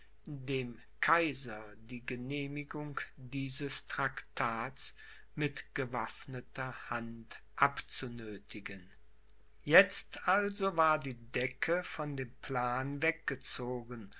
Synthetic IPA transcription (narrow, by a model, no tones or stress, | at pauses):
deːm | kʰaɪzɐdiːɡəneːmɪɡʊŋd̥iːzəstʁ̥aktʰaːtt͡s | mɪtɡ̥əvafnətɐhant | ʔapt͡sunøːtʰɪɡən | jɛt͡stʔalzovaːɐdiːdɛkʰəfɔndeːmpl̥aːnvɛk̚ɡ̥ət͡soːɡən